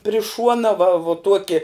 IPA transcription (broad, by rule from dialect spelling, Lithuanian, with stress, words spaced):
pʲrʲɪ ˈʃuɔnɐ ʋɐ ʋʊ ˈtuɔkʲɪ